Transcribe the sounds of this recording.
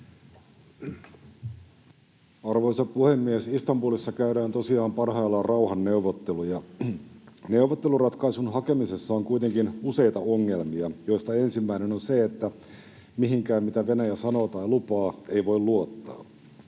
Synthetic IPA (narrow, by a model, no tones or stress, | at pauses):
ɑrʋo̞isɑpuhe̞mːiesist̪ɑmbuːlisːɑkæyɾæːnt̪o̞siɑːmpɑrɦɑjlːɑrɑuɦɑnːe̞uʋot̪ːelujɑ | ne̞uʋot̪ːe̞lurɑt̪kɑisunɦɑke̞mise̞sːɑoŋkuijt̪e̞ŋkinuse̞jt̪ɑo̞ŋːe̞lmiɑjo̞ist̪ɑe̞nsimːæinenonseet̪ːæ | miɦiŋkæːmmit̪æʋe̞næjæsɑno̞ːt̪ɑjlupɑːe̞jʋo̞jlluot̪ːɑ̰ː